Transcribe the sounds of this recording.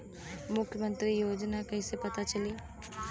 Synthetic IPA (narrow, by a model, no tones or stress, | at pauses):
mʊkʰjəmə̃nt̪ɾijoːd͡ʒnakɐɦisepɐt̪at͡ʃɐli